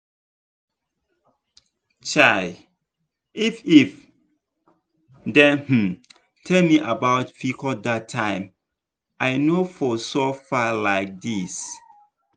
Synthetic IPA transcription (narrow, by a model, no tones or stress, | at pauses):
t͡ʃaɪ | ifif | dɛ̃nhm̩ | tʰɛlmiʔabaʊtfikʰɔdatʰːãɪ̃m | ʔaɪnofɔsofalaɪk̚dis